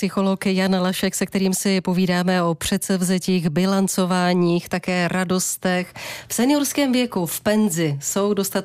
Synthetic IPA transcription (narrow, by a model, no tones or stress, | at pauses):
sɪxo̞lo̞kjanlaʃɛksɛk̚t̪ɛɾiːmsɪpo̞viːdaːmɛo̞pr̝̥ɛt̪sɛvzɛciːɣbɪlant͡so̞vaːɲiːxt̪akɛːɾado̞st̪ɛxfsɛnɪoɾskɛːmvjɛkufpɛnzɪso̞wdo̞st̪a